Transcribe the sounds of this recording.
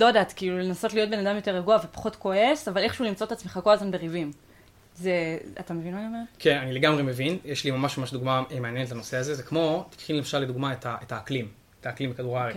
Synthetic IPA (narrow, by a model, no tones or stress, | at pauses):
lo̞adaːt̪kiːlulenaso̞tlio̞t̚be̞nadamjo̞te̞ʁeɡuavepḁχo̞tko̞e̞savale̞χʃuulimt͡so̞et̪at͡smeχako̞lazmanbeʁivim | zea̰t̪amevinmaːniome̞kʰenanileɡamʁemevinjeʃlimamaʃmamaʃd̪uɡmaemeanjenetlanoseazezekmo̞t̪i̥kχinlemaʃalːed̪uɡmaetaʔetaːklim | etaːklimbekaduʁaʁe